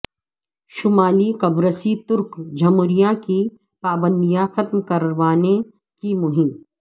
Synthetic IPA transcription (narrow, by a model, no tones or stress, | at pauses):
ʃʊmaːlikɐbɾəsit̪ʊɾkd͡ʒʱɐmʊɾijãki | paːbə̃nd̪ijãxɐt̪mkɐɾʋaːne | kimʊɦɪm